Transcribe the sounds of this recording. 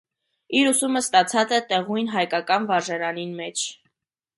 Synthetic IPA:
iɾusuməst̪ɑt͡sʰɑt͡sɛt̪ɛʁujnɦɑjkɑkɑnvɑɾʒɛɾɑninmɛt͡ʃʰ

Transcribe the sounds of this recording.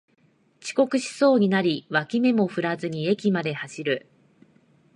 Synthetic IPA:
t͡ɕi̥ko̞kɯ̟ɕi̥so̞ːɲ̟inaɾʲiβakʲime̞mo̞ɸɯ̟ɾazɨɲ̟ie̞kʲimad̪e̞haɕiɾɯ̟

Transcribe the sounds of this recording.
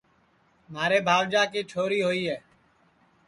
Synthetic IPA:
maːɾeːbʱaːʋd͡ʒaːkiːt͡ʃʰoːɾiːɦoːiːɦɛː

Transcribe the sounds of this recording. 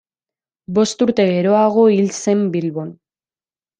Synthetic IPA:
bo̞st̪uɾt̪e̞ɣe̞ɾo̞aɣo̞ilse̞mbilβo̞n

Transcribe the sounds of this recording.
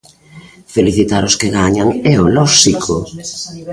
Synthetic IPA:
feliθit̪aɾʊskeɣaɲaŋɛolɔʃikʰo̰

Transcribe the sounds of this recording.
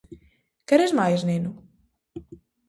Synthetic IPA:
kɛɾɛzmajzninu

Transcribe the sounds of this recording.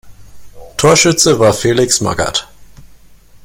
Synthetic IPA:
tʰoːɐʃʏt͡səvaːɐfeːlɪksma̰ɡɐ̰t

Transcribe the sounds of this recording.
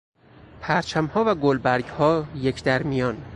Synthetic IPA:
pʰæɾt͡ʃʰæmhɒːvæɡolbæɾɟhɒːjecʰd̪æɾmijɒːn

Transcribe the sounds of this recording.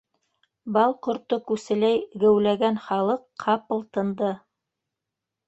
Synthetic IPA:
bɑlˠqŏɾt̪okʉsɘ̆læjɡæwlæɡænχɑlˠɤqʰːɑpɤ̆lˠt̪ɤ̆nd̪ɤ

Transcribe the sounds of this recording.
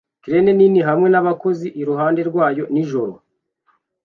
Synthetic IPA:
kiɾene̞niniɦamŋe̞naβako̞ziʔiɾuɦaːnde̞ɾɡwaːjo̞niʒo̞ɾo̰

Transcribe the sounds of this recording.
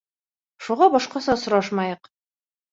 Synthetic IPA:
ʃuʁɑbɒʃqɑsɑsŏɾɑʃmɑjɤq

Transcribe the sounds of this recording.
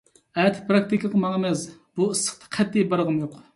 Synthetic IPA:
æt̪ʰɪ̥pɾɑk̚t̪ikʲɑqʰəmɑŋemɛsb̥uɨsːə̥χt̪ʰɑ̥qʰɛt̪ːijbɑɾʁəmjoq

